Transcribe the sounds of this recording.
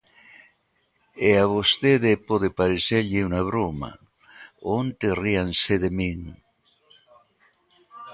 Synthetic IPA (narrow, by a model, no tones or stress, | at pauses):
eaβost̪eðepoðepaɾeseɾʎiunaβ̞ɾoma̰ | ont̪erianseðemiŋ